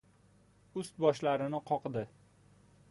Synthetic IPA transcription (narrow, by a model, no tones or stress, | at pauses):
ʊst̪̚bɒʃlaɾɪnɪqʰɒqd̪ɪ